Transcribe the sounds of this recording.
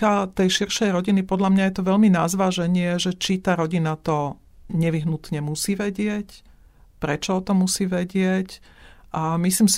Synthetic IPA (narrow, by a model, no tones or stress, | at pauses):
at̪ɛjʃirʃɛjɾɔɟinipɔd̪ʎamɲajɛt̪ɔʋɛʎminazʋaːʒɛɲɪɛʒɛt͡ʃit̪aːɾɔɟinat̪ɔ | ɲɛʋiɦnut̪ɲɛmusiːʋɛɟɪɛc | pɾɛt͡ʃɔɔt̪ɔmusiːʋɛɟɪɛcʔamisliːms